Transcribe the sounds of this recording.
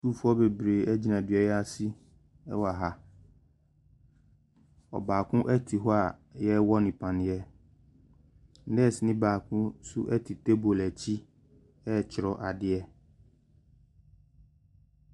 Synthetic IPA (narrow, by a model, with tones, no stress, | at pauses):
suː˦˨fu˦ɔ˦be˨bɾeː˨ɛ˦d͡ʑi˦nã˨dɥɛ˦jɛ˦a˦si˦ | ɛ̰˦wa˨ɦa˦ | ɔ̰˨baː˨kʰʊ̃˦ʔɛ˦tʰi˨ɦɔ˦a˨jɛ˦wɔ˦nɪ̃˨pʰã˨nɪ̃˨˦ɛ˦ | nɛ˦˨snɪ̃˦baː˨kʰʊ̃˦su˦ʔɛ˦tʰi˨te˦bo˨lɛ˨t͡ɕʰi˦ | ɛ˦˨t͡ɕʰɪ˨ɾɔ˨ʔa˨dɪ˦ɛ˦